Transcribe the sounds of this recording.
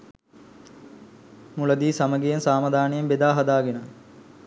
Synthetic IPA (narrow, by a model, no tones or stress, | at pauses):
mulɐd̪iːsaməɡejɐnsaːmɐd̪aːnejembed̪aːɦɐd̪aːɡenə